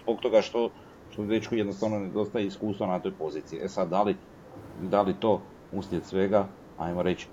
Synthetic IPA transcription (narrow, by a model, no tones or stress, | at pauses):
zboɡ̚t̪o̞ɡaʃt̪o | ʃt̪od̪et͡ʃkujed̪nost̪aʋnoned̪o̞st̪ajeiskuːst̪ʋonat̪o̞jpo̞ziːt̪siiʔesad̪d̪ali | d̪alit̪o̞ː | ust̪iet̪sʋe̞ɡa | a̰jmoɾe̞t͡ɕi̥